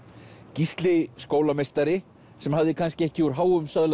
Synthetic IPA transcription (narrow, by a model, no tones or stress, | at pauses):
cist̪lɪskoːwlamejst̪aɾɪ | sɛmhaðɪkʰanscɪɛhcɪuɾ̥ɦaːwʏmsaðl